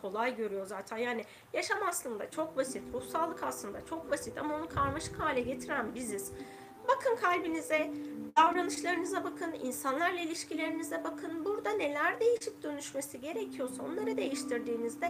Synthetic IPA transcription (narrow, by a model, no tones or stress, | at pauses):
kʰo̞lˠajɟø̞ɾyjo̞zaːt̪ʰænjaːnɪ | jaʃamaslˠɯnd̪a̰t͡ʃʰo̞k̚basit̪ɾuhsalˠːɯkaslˠɯnd̪at͡ʃʰo̞k̚basit̪ʰa̰maonukʰaɾmaʃɯ̥khaːlʲɛɟe̞t̪ʰiɾænbiziz̥ | bakʰɯnkʰalʲbinizɛd̪̥avɾanɯʃlˠaɾɯnɯzabakʰɯnḭnsanlˠaɾlˠailʲiʃcilʲe̞ɾinizɛbakʰɯnbuɾd̪ane̞lʲæɾd̪e̞jiʃip̚d̪ø̞nyʃme̞siɟe̞ɾecʰijo̞sao̞̰nlˠaɾɯd̪e̞jiʃt̪ʰiɾd̪iːnizd̪ɛ